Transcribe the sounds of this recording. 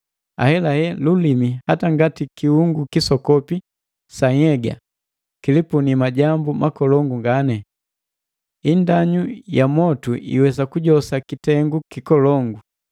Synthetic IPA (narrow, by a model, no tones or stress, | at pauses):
a̰hɛlahɛlulimihataŋɡatikihuŋɡukisɔkɔpi | saŋɛɡa̰ | kilipunimaɟambumakɔlɔŋɡuŋɡanɛ | indaɲujamɔtuʔḭwɛs̬akuɟɔsakitɛŋɡukikɔlɔŋɡu